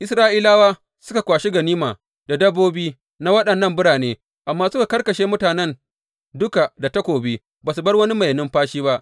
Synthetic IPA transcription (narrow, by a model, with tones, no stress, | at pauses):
ʔɪ˦sɾaː˦ʔiː˦laː˦waː˦ | sʊ˦ka˨kʷaː˨ʃi˦ɡɐ˨niː˦maː˨ | da˨dɐ˦bːoː˦biː˦ | na˦wɐ˦ɗɐ˨nːɐ˦˨mbʊ˦ɽaː˨neː˦ | ʔa˨mːaː˦sʊ˦ka˨kɐ˦rkɐ˨ʃeː˦mʊ˦taː˨nɛ˦˨n | dʊ˦ka˨da˨tɐ˦kʷoː˨bi˦ | baː˨s̬u˨bɐ˦rwɐ˦ni˦mɐ˨jɐ˨nɪ˦mɸaː˦ʃiː˦ba˦ʔ